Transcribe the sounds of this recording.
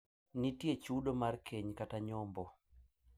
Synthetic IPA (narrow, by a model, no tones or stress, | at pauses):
nitjet͡ʃudomarkʰeɲkataɲɔmbɔ